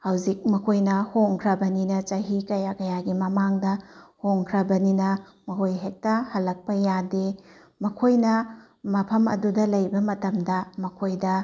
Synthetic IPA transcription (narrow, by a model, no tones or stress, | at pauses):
hɐwzik̚mɐkʰojnɐhoŋkʰɾɐbɐninɐt͡ʃɐɦikɐjakɐjaɡimɐmaŋdɐhoŋkʰɾɐbɐninɐ | mɐɦhojɦek̚tɐhɐlːɐk̚pɐjade | mɐkʰojnɐ | mɐpʰɐmɐ̰dudɐlɐjbɐmɐtɐmdɐmɐkʰojdɐ